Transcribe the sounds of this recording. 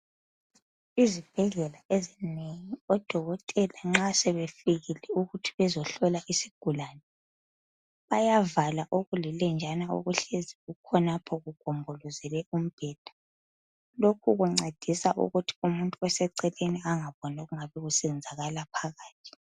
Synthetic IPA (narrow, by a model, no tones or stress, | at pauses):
izib̥ʱɛɮɛlaezineŋiɔd̥ʱɔɣɔtʼɛlaŋ͡ǁasɛβefiɣilɛuɣutʰiβɛzɔɬɔlaʔisiɡ̥ʱulanɛ | βajavalaʔoɣulilɛnd͡ʒʱanaṵɣuɬeziɣukʰɔnapʰɔɣuɡ̥ʱɔmbʱɔlɔzɛlɛum̩b̥ʱɛːd̥ʱḁ | lokʰuɣuŋ͡ǀed̥ʱisaʔṵɣutʰi̥umuntʼuwɛsɛǀɛleniaŋaβɔnoɣuŋaβɛɣusɛɛnd͡zʱaɣalapʰaɣaːtʰi̥